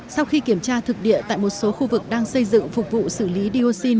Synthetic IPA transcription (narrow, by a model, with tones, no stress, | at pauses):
sa˧wxi˧ki˧˩əmt͡ɕaː˧t̪ʰɨ˨˩k̚ɗḭ˧˨ət̪a̰ː˧˨jmo˨˩t̚so˨˦xu˧vɨ˨˩k̚ɗaː˧ŋsə˧jzɨ̰˧˨ŋfʊ˨˩k͡p̚vṵ˧˨sɨ˧˩li˨˦ɗi˧o˧si˧n